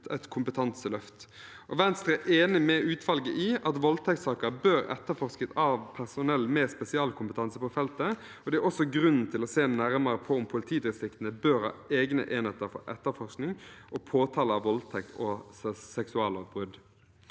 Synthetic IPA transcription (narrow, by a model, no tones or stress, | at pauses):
ɛt̪kʰʊmpət̪ʰɑnsəlœft̪ | ʔɔʋɛnst̪ʁɛʔeːnɪmɛʔʉːt̪ʰʋɑlɡəʔiːɑt̪ʋɔlt̪ʰɛkt̪sɑːkəbøːɾɛ̰t̪ːəfɔʁskət̪ɑʋpʰæʁsʊnɛlːmɛspɛsɪɑːlkʰʊmpət̪ʰɑnsəpɔfɛlt̪ə | ɔd̪ɛæʔɔsːɔɡɾʉnːn̩t̪ʰɪlɔseːnæɾməɾəpʰɔʊmpʰʊlɪt̪ʰiːd̪ɛsɪkt̪n̩əbøːɾhɑ̰ːeːɡnə̰ʔeːnheːt̪əɾfɔ̰ɾʔɛt̪ːəɾfɔʁsknɪŋʔɔpʰoːt̪ʰɑːləɑʋɔlt̪ʰɛk̚t̪ʰɔsɛksʉɑːlɔʋbʁʉd̪